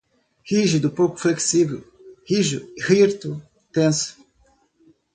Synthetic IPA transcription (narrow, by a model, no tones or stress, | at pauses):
hiʒud̪upoku̥fleksivew | hiʒuhiɾt̪u | t̪ẽns